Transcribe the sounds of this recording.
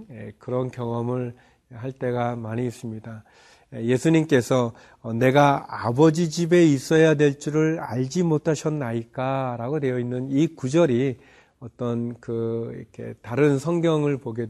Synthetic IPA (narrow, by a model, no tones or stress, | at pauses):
jekɯɾʌnkjʌŋʌmɯɭ | ɦaɭt͈e̞ɡamaɲiːs͈ɯmɲida | eje̞sʰuɲimk͈esʰʌː | ne̞ɡaa̰bʌd͡ʑid͡ʑibe̞is͈ʌjadwe̞ɭt͡ɕ͈uɾɯɭaʎd͡ʑimotʰaɕʰʌnːaik͈aɾaɡodwe̞jʌinːɯnikud͡ʑʌɾi | ʌt͈ʌnkɯɾ̰kʰe̞̰taɾɯnsʰʌŋɡjʌŋɯɭpoɡe̞d